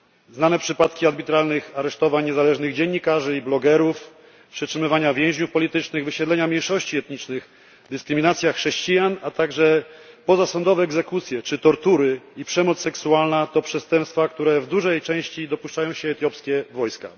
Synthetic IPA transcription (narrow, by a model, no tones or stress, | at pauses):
znanɛpʂɘpat̪kʲiad̪bʲit̪ɾalnɘxaɾɛʂt̪ɔvaɲɲɛzalɛʐnɘɣd͡ʑɛɲːikaʐɘiblɔɡɛɾuf | pʂɛtʂɘmɘvaɲavʲjɛ̃w̃ʑɲufpɔlʲit̪ɘt͡ʂnɘɣvɘɕɛd̪lɛɲamʲɲejʂɔɕt͡ɕiɛt̪ɲit͡ʂnɘx | d̪ɘskɾɘmʲinat̪sʲjaxʂɛɕt͡ɕijanat̪aɡʐɛpɔzasɔnd̪ɔvɛːɡzɛkut̪sʲjɛt͡ʂɘt̪ɔɾt̪uɾɘipʂɛmɔt̪ssːɛksualnat̪ɔpʂɛst̪ɛmpst̪fakt̪uɾɛvd̪uʐɛjt͡ʂɛ̃w̃ɕt͡ɕid̪ɔpuʂt͡ʂajɔ̃w̃ɕɛːt̪jɔpskʲɛvɔjska̰